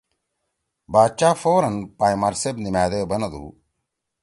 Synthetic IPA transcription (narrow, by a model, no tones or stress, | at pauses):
baːt͡ʃaːfoːɾɐnpaːjmɐɾsebnimaːd̪eːbɐnɐd̪ṵː